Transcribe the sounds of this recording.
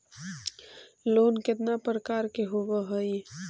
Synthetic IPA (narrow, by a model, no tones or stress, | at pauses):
loːnkɪt̪napɾəkaːɾkeɦobəɦəi